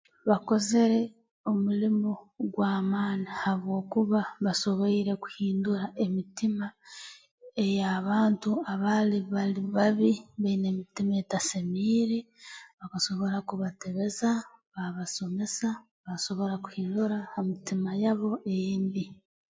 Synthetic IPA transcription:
βako̞ze̞ɾe̞ | o̞mulimoɡwaːmaːnihaβwo̞ːkuβaβaso̞βoiɾe̞ku̥hiːnduɾaʔe̞mitima | e̞jaβaːntuaβaliβaliβaβiβaine̞ːmitimae̞tasemiːɾeβakaso̞βo̞ɾakuβate̞βe̞zaβaβaso̞me̞sa | βaso̞βo̞ɾaku̥hiːnduɾaːmitimajaβo̞ʔe̞jeːmbi

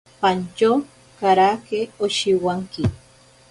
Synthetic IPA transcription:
pant͡ʃo | kaɾakeoʃiwaŋki

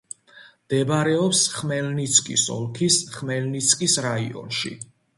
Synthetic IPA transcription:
md̪̥ɛbaɾɛɔpsχmɛlnit̪sʰkʼḭsɔ̰lˠkʰisχmɛlnit̪sʰʼkʼisɾaḭɔ̰nʃḭ

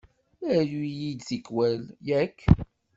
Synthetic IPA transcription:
æjujid̪θikwæljækː

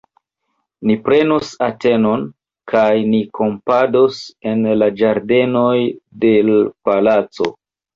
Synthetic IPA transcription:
nipɾe̞nosate̞no̞n | kʰajnikʰo̞mpadose̞nlad͡ʒaɾde̞no̞jde̞lpalat͡so̞̰

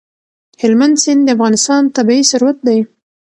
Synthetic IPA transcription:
hɪlmand̪sɪnd̪d̪əafɣɑnɪst̪ɑnt̪abiisʊɾwat̪̚d̪aj

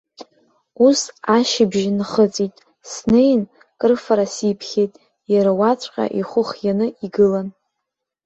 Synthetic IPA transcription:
usaʃɪbʒnχət͡sʼitʼ | snejn | kʼɨrfaɾasipʰχʲe̞jtʼ | jaɾawat͡sʷʼqʲʼa̰ʔiχʷʊχjanɨiɡɨlan

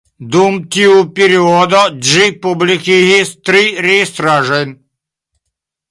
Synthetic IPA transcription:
d̪umt̪ʲiupʲiɾiɔd̪ɔʒipublikiɦist̪ɾiɾest̪ɾaʐenʲ

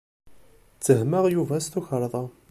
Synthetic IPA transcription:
t͡sːəɦməʁjuvæst̪uçəɾˤðˤɑ

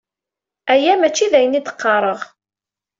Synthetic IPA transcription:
æjæmæt͡ʃːiðæjənit̪ə̥qːɑɾˤəʁ

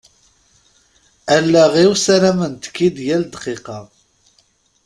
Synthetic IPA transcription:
ælːæʁiwsæɾæmənt̪ə̥kːid̪jæld̪qiqɑ

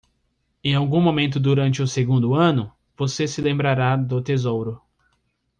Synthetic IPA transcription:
ẽj̃awɡũmomẽnt̪ʊd̪uɾɐ̃nt͡ʃɪʊseɡũnd̪ʊɐ̃nʊ | vosesɪlẽmbɾaɾad̪ʊt̪ezowɾʊ

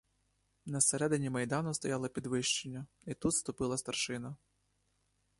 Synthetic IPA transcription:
nɐseɾɛd̪ɪnʲimɐjd̪ɑnʊst̪ɔjɑlˠɔpʲid̪ʋɪʃt͡ʃenʲːɐ | it̪ut̪st̪ʊpɪlˠɐst̪ɐrʃɪnɐ

